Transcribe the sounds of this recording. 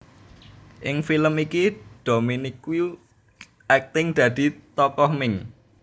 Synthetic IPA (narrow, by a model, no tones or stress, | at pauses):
ʔɪŋfiləmikid̪̥o̤miniku | ʔɛk̚t̪ɪŋd̪̥ä̤d̪̥i̤t̪ɔkɔhmɪŋ